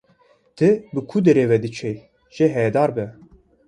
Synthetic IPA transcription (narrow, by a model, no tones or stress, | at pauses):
t̪ʰɨbɨkʰud̪ɛɾeːvɛd̪ɨt͡ʃʰɛj | ʒ̥eɦɛɛd̪ɑːɾbɛ